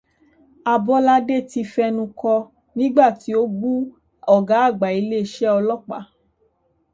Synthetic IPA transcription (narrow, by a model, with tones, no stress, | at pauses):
a˧bɔ˧˦la˧˦de˦˨ti˧fɛ˧nũ˧kɔ˧ | nĩ˦ɡ͡ba˦˨ti˨˦o˦ɡ͡bu˦ | ɔ˦˨ɡa˨˦a˦˨ɡ͡ba˨i˧le˦˧ʃɛ˦ɔ˧lɔ˦˨k͡pa̰˨˦